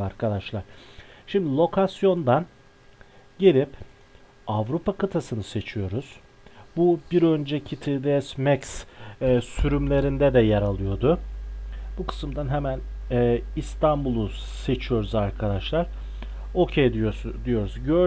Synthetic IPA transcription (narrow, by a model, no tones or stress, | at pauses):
aɾkʰad̪aʃlˠaɾ̥ʃimd̪ilʲˠo̞kʰasjo̞nd̪an | ɟe̞lʲip | avɾupʰakʰɯt̪ʰasɯnɯse̞t͡ʃʰijo̞ɾuz̥ | bubiɾø̞nd͡ʒɛcʰit̪ʰid̪eɛsmɛks | syɾymlʲe̞ɾind̪ɛd̪ɛjaɾalˠɯjo̞d̪ʊ | bukʰɯ̥sɯmd̪anɦɛmænɛːist̪ʰanbulˠu | se̞t͡ʃʰijo̞ɾuzaɾkʰad̪aʃlˠaɾ̥ | o̞cʰejd̪d̪ijo̞ɾuzɟø